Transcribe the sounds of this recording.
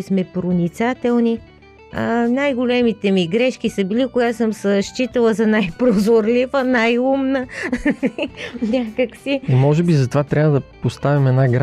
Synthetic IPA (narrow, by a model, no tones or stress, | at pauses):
smɛpɾonit̪sat̪ɛlˠni | ənajɡolɛmit̪ɛmiɡɾɛʃkisəbilikoɡat̪səmsəʃt͡ʃit̪ɐlˠəzɐnajpɾozoɾlivənajumnə | nʲakəksiimɔʒɛbizɐt̪ovat̪ɾʲjabvəd̪ɐpost̪avimɛnaɡɾ